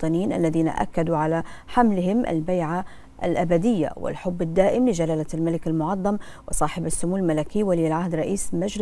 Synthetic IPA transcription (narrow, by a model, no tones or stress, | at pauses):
t̪ˤɨniːnʔa̰lːaðiːna̰ʔa̰kːad̪uʕalaħamlɪhɪmʔa̰lbajʕa | ʔa̰lʔabad̪ɪjːa̰wɪ̰lħʊbːɪd̪ːaːʔɪmlɪd͡ʒalaːlalmalɪkalmʊʕɑðˤːɑmwɪsˤɑːħɪbasːʊmuːlmalakiːwaliːlʕahd̪ɾˤɑʔiːsmad͡ʒl